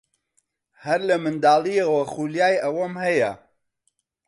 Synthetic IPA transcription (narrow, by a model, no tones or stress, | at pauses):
hɐɾlɐmɨnd̪aːlˠijɐwɐxuljaːjɐwɐmhɐjɐ̰